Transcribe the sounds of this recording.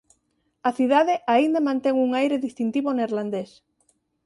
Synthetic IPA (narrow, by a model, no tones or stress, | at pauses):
aθiðaðeʔaind̪amãnt̪eŋuŋajɾeðist̪int̪iβoneɾland̪es